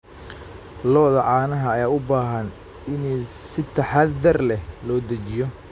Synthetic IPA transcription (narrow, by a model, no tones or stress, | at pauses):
lɔːðɐʕɑːnɐɦɐːjaːʊbaːɦɐn | ɪnsɪt̪ʰɐħɑːɐrlɛhlɔːd̪ɐt͡ʃɪjɔ